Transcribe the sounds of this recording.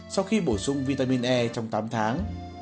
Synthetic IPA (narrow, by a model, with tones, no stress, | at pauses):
sa˧wxi˧ɓo˧˩jsʊ˧ŋ͡mvi˧t̪aː˧mi˧nʔɛ˧t͡ɕɔ˧wŋ͡mt̪aː˨˦mt̪ʰaː˨˦ŋ